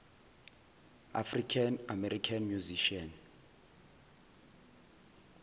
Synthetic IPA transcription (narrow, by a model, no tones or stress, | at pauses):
a̰frikʰanamɛɾikʰanmjuziʃiɔn